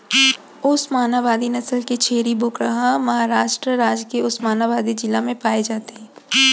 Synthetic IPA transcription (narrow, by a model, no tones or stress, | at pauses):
ʊsmaːnaʋaːd̪inɐsəlket͡ʃʰeːɾibʊːkɾəɦamɐɦaɾaːʃʈɾəɾaːd͡ʒkeʊsmaːnaʋaːd̪id͡ʒɪlːamẽpaːed͡ʒaːt̪eɦɛ̃ː